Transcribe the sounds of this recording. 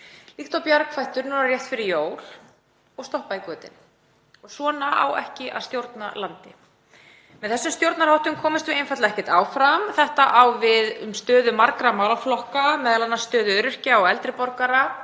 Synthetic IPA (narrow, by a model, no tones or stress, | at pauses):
liht̪awpjaɾkʰfajht̪ʏɾnunaɾrjɛht̪fɪɾɪɾjoːwl | ɔɣst̪ɔhpaikʏːt̪ɪ̰n | ɔɣswɔːnaʔa̰wɛ̰hcɪʔa̰ðst̪jowɾt̪na̰lant̪ɪ | mɛðθɛsːʏmst̪jowɾt̪naɾhawht̪ʏmkʰɔːmɪst̪vʏejnfajt̪aðɛhcɪt̪aːwfɾamθɛht̪aʔawvɪðʏmst̪œːðʏmaɾkɾamawlaflɔhkamɛːðalanːast̪œːðʏɾʏr̥caɔɣɛlt̪ɾɪpɔɾkaɾa